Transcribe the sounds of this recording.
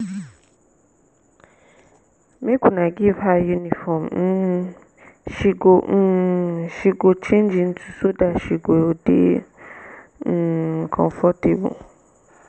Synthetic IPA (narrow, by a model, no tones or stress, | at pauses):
meɡũnãɡivajunĩfɔmn̩ | ʃiɡoʃiɡot͡ʃẽnd͡ʒin̩tʰu̥sodaʃiɡoodḛ | kʰɔ̰̃fɔtebṵ